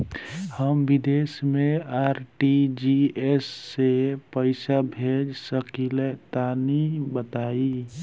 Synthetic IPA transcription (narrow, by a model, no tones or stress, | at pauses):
həmbid̪esmeaɾʈid͡ʒiesːepəɪsabʱed͡ʒsəkilet̪anibət̪ai